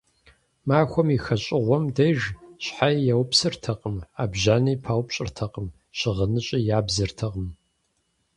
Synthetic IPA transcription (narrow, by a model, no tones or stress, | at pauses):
maːxʷɔmixɐɕʼɪʁʷɔmdɐjʒɕħajjɛwpsɨrtʰɐqʼəmaːbʒʑaːniːpʰaːwpɕʼɪrtʰɐqʼəm | ɕɪʁənɨɕʼɪjaːbzɨrtʰɐʁəm